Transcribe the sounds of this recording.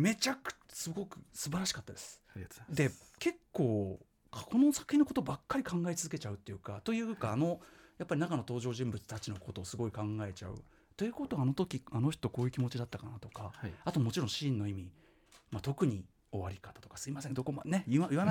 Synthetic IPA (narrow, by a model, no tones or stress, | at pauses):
me̞t͡ɕaksɨɡo̞kɯ̟̥sɨbaɾaɕi̥kat̪ːad̪e̞sɨ̥ | d̪e̞ke̞kːo̞ː | kʰkʰo̞no̞sḁkɯ̟çinːoko̞t̪o̞bakːaɾʲikãŋɡaet͡sɨzɨk̬e̞t͡ɕaɯ̟t̪ːe̞jɯ̟kat̪o̞jɯ̟ːkaːno̞japːaɾʲinakano̞t̪o̞ːʑo̞ːʑɨ̃mbɯ̟t͡sɨ̥t̪at͡ɕino̞ko̞t̪o̞ːsɨɡo̞ikãŋɡae̞t͡ɕa̰ɯ̟̰ | t̪e̞jɯ̟kot̪o̞aːno̞t̪o̞kʲiano̞çtt̪okoːjɯ̟kʲimo̞t͡ɕid̪at̪ːakanat̪o̞kaat̪o̞mo̞t͡ɕiɾõɕĩnːo̞imʲi | mat̪o̞kɯ̟ɲ̟i | o̞βaɾʲikat̪ḁt̪o̞̥kḁsɨimas̬ẽŋd̪o̞ko̞ma̰neɯajɯβan